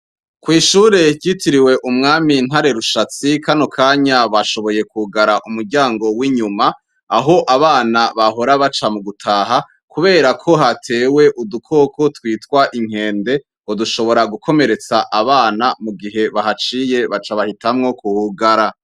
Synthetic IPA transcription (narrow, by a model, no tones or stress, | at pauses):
kwiːʃuːɾe̞ɟitʰiɾiwe̞ʔumŋaːmin̥ɦaɾe̞ɾuʃat͡sikʰano̞kʰaːɲaβaʃo̞βo̞je̞kuɡaɾaʔumuɾɟaːŋɡo̞wiɲumaː | ɦo̞ʔaβaːnaβaɦo̞ɾaβat͡ʃamuɡutʰaːɦa | kuβe̞ːɾakʰo̞ɦatʰe̞ːwe̞ʔudukʰo̞kʰotwiːtwaʔiŋ̥e̞ːnde̞ | oduʃo̞βo̞ɾaɡukʰo̞me̞ɾe̞t͡saʔaβaːnamuɡiɦe̞βaɦat͡ʃije̞βat͡ʃaβahitamŋo̞kuhuɡaɾa